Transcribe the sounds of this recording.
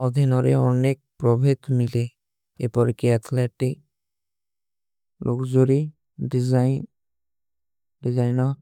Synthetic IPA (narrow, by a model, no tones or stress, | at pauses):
ɔd̪ʱinɔɾeɔnek̚pɾɔbʱet̪mile | ḛpɔɾkiat̪ʰleʈik̚ | lʔokd͡ʒoɾi | ɖiza | ɖizajnɔ